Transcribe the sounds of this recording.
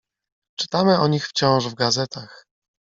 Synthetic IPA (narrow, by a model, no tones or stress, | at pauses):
t͡ʂɘ̥t̪amɘɔɲixft͡ɕɔ̃w̃ʐvɡazɛt̪ax